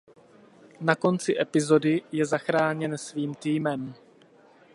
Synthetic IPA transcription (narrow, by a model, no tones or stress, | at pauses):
nako̞nt͡sɪʔɛpɪzo̞dɪjɛzaxɾaːɲɛnsviːmt̪iːmɛm